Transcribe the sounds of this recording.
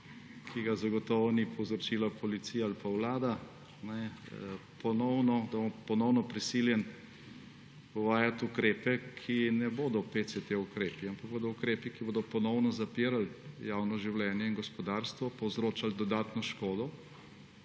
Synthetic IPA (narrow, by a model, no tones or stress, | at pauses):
kʰiɡazaɡɔt̪ɔʋɔnipɔwzɾɔt͡ʃiːlapɔlit̪sijaalpawlaːd̪a | nɛ | pɔnɔwnɔd̪abopɔnɔwnɔpɾisiljɛn | ɔʋaːjat̪ukɾeːpɛkʰinɛboːd̪ɔpeːsɛt̪eukɾeːpiampaɡ̚boːd̪ɔukɾeːpikiboːd̪ɔpɔnɔwnɔzapiːɾaljawnɔʒiwlɛːnjɛinɡɔspɔd̪aːɾst̪ʋɔpɔwzɾoːt͡ʃald̪ɔd̪aːt̪nɔʃkoːd̪ɔ